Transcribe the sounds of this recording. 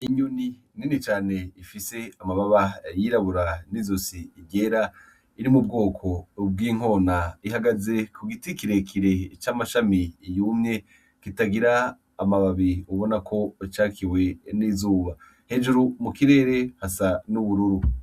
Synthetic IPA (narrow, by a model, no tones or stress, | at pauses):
iɲuni | ninit͡ʃaːne̞ifise̞amaβaβajiɾaβuɾanizosiːɟe̞ːɾa | iɾimub̚ɡo̞ːkʰo̞b̚ɡiːŋ̥o̞ːnaiɦaɡaze̞kuɡitikiɾe̞kʰiɾe̞t͡ʃamaʃamijuːmɲe̞ | kitaɡiɾaː | maβaβiuβo̞nakʰo̞t͡ʃaːkʰiwe̞niːzuːβa | he̞d͡ʒuɾumukiɾe̞ːɾe̞hasanuβuɾuɾu